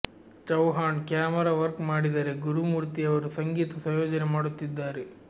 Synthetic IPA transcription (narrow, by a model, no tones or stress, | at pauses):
t͡ʃɐwɦaːɳkjaːmɐɾaːʋɐɾkmaːɽid̪ɐɾe̞ɡuɾumuːɾt̪iɐʋɐɾusɐŋɡiːt̪ɐsɐjoːd͡ʒɐnemaːɽut̪ːid̪ːaːɾe